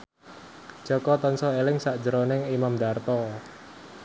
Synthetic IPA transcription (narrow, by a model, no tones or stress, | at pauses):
d͡ʒ̥ɔ̤kɔt̪ɔnsɔelɪŋsaʔd̥ʒəɾonɪŋimamdart̪ɔ